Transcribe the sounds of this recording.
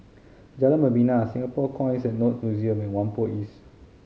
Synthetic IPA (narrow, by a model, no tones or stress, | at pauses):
d͡ʒalãnbəbinãsĩŋɡapɔkʰɔ̃jnisɛt̚nɔt̚njuziə̃mɛ̃nwãnpoʔis